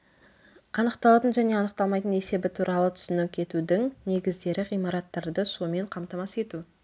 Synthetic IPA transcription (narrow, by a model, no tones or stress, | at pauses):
ɑnəqt̪ɑlˠɑt̪ənʒæne̞ɑnəq̚t̪ɑlˠmɑjt̪əne̞se̞bɪt̪ʰuɾʔɑlˠət̪ʰʏ̥sʏnɪkʲʰe̞t̪ud̪ɪŋne̞ɡʲɪzd̪e̞ɾɪʁijmɑɾɑt̪ːɑɾd̪əʃume̞ɴqʰɑmt̪ɑmɑse̞t̪u